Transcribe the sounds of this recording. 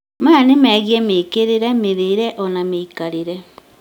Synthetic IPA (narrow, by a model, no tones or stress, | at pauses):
maːnemɛːɣjɛmeːkeɾeɾɛmeðeɾɛʔɔnameikaɾeɾɛ